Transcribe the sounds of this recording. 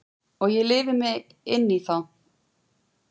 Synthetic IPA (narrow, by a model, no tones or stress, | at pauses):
ɔɣjɛlɪːvɪmɪ | ɪnːiθaw